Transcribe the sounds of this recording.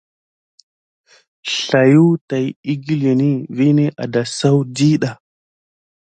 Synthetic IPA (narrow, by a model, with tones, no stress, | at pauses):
ɬa˨ju˦ta˨ji˦ɡi˦le˨ni˦vi˦ne˦ʔa̰˨da˨sa˦wdi˦ɗa˨